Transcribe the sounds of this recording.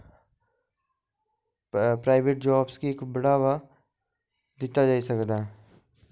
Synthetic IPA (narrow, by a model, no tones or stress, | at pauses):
pɾaːɪʋeʈ̚d͡ʒaːbskieːkbəɽaːʋa | d̪ɪt̪ad͡ʒaːisəkd̪aɦɛ